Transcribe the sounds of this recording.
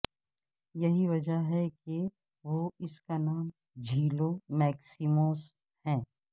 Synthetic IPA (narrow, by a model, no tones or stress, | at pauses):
jɐɦiʋɐd͡ʒəɦɛke | ʋoːɪskanaːm | d͡ʒʱiːloːmɛːksimoːs | hɛ̃ː